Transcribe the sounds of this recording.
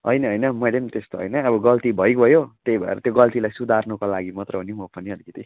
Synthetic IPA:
ɦʌjnʌɦʌjnʌmʌjlemt̪est̪oɦʌ̰jnʌːbʌɡʌlt̪ibʱʌjkbʱʌjot̪ejbʱʌḛɾʌt̪joɡʌlt̪ilajsud̪ʱarnukolaɡimʌt̪rʌɦunjomʌpʌniɦʌlikʌt̪i

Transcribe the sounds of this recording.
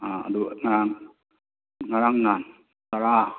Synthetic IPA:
aa̰d̪uŋaɾaŋ | ŋaɾaŋnan | taɾa

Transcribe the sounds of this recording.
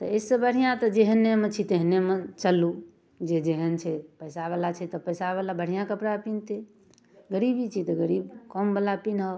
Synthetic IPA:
t̪əesəbəɽ̤ijãt̪əd͡ʒeɦənːemet͡ʃʰit̪eɦnemet͡ʃəlːu | d͡ʒed͡ʒeɦənt͡ʃʰɛpəjsaβɛlat͡ʃʰɛt̪ɔpəjsaβɛlabʱəɽ̤ijãkəpɽapint̪i | ɡəɾibit͡ʃʰit̪ɔɡəɾibkəmbəlapinɦɔ

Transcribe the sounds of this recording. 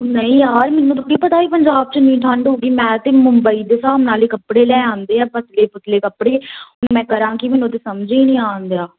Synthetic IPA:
nəĩːjaːɾmɛnːũːt̪ʊʈːiːpət̪aːʋiːpəɲd͡ʒaːb̚t͡ʃənĩːʈʰə̃ɳɖɦoːɡiːmɛ̃ːt̪eːmʊmbəiːd̪esaːəmnaːleːkəpːɽeːlɛːãːnd̪eːaːpət̪leːpət̪leːkəpɽeːɦʊnmɛ̃ːkəɾãːkimɛːnũːt̪eːsəmd͡ʒeːnĩːãːnd̪eaː

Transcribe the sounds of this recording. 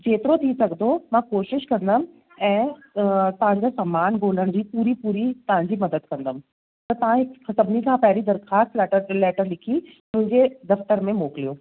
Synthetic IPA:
d͡ʑeːt̪ɪɾot̪ʰisɐɡd̪omãkoːʃɪʃkɐ̃nd̪əm | ɛ̃ː | t̪ɐɦãɲd͡ʑasɐmaːnɡoːləɽ̃d͡ʑiːpuːɾipuːɾit̪ɐʋɦãɲd͡ʑimɐd̪əd̪̚kɐ̃nd̪əm | t̪ɐt̪ɐʋ̤ãɦɪksɐbnikʰãpɛɦɾid̪ɐɾxaːst̪lːʈəɾlɛːʈəɾlɪkʰi | mʊ̃ɦɪ̃ɲd͡ʑed̪ɐft̪əɾmẽmoːklijoː

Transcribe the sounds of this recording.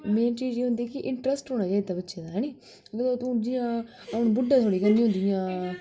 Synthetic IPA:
meːnt͡ʃiːd͡ʒeːɦʊ̃nd̪ikiʔɪɳʈɾəsʈɦoːɽ̃aːd͡ʒaːid̪̚t̪abətːʃed̪aɦaːni | ɡəd̪oːt̪ũd͡ʒijãː | ɐpɳ̃bʊɖːat̪ʰoːɽikənːiːɦʊ̃nd̪ijãː

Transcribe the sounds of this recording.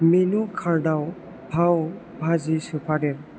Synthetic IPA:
menukʰaɾdaw | bʱaw | bʱazisɯpʰaɾeɾ

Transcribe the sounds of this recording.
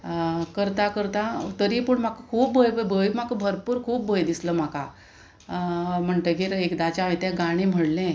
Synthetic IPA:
kəɾt̪akəɾt̪at̪əɾipəɳm̤akəkʰuːp̚bəjbəjbʱəjm̤akəbʱəɾpuːɾkʰuːpbəjd̪isləm̤aka | m̤əɳʈ̪əɡeɾekd̪at͡ɕaʋẽt̪jaɡaɽ̃em̤əɽlɛ̃

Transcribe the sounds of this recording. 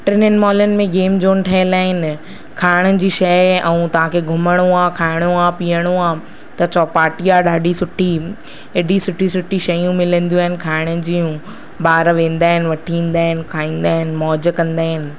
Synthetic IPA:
ʈɾɪnənmɔːlənɪ̆mẽɡeːmd͡ʑoːnʈʰɐɦɪlaːɦɪnɪ̆ | kʰaːɪɽ̃əd͡ʑiːʃɐjɛ̃ũt̪ɐʋ̤ãkʰeɡʱʊməɽ̃uãkʰaːɪɽ̃oãpiːəɽ̃uãː | t̪ɐt͡ɕɔːpaːʈijaɗaːɗisʊʈʰi | eɗisʊʈʰisʊʈʰiʃɐjũmɪlə̃nd̪iuaːɦɪnɪ̆kʰaːɪɽ̃ʊɪ̆d͡ʑijũ | ɓaːɾʋẽːn̆d̪aːɦɪnɪ̆ʋɐʈʰĩːnd̪aːɦɪnɪ̆kʰaːĩːn̆d̪aːɦɪnɪ̆mɔːd͡ʑəkɐ̃nd̪aːɦɪnɪ̆

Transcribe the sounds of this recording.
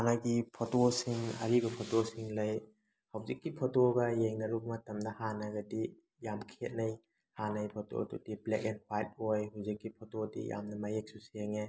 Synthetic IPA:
anaɡipʰotosiŋɐ̰ɾiɡɐpʰɔtosiŋlɐj | hawzikːipʰɔtoɡɐjeŋnɐɾuk̚mɐtɐmdɐhanɐɡɐdi | jamkʰet̚nɐj | hanɐjpʰɔto̰dṵdiblekenhwajt̚ojɦawzikːipʰɔtodḭja̰mnɐmajek̚susieŋe

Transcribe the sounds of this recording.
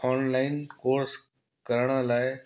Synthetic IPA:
ɔːnlaːɪnkoːɾs | kəɾɽ̃əlaːɪ

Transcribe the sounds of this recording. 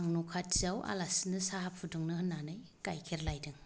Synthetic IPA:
ŋnukʰatzawa̰lasinɯsaɦapʰuduŋnɯhɯnːanɯj | kajkʰeɾlajdɯŋ

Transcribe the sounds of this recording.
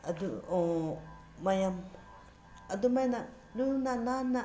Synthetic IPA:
ad̪uo | majãm | ad̪umanã | nunãnanã

